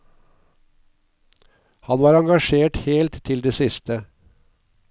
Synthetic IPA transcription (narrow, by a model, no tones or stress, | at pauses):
hɑnʋɑːɾɑŋɡɑʃeːʈheːlt̪ʰːɪld̪eːsɪst̪ə